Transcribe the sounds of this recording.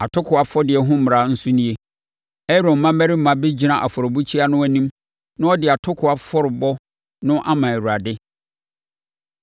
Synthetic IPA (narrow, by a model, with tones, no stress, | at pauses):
a˨tʰʊ˦kʰʊ˨a˨fɔ˦dɪ˨ɛ˨ɦʊ̃˦m˨ɾa˨n̩˦sʊ˦nĩ˦e˦ | ɛ˦ɾõː˨˦ã˦mæ˦ɾi˦m̩˦mã˨bɪ˦d͡ʑi˨nã˨ʔa̰˨fɔ˨ɾɔ˨bu˦t͡ɕʰi˦a˦nʊ̃˦æ˨nĩ˦m | nʊ̃˦ɔ˦dɪ˨a˨tʰʊ˦kʰʊ˨a˨fɔ˦ɾɪ˨bɔ˦ | nʊ̃˦ʔa˦mã˨æ˨ɾu˨ɾa˨dɪ˦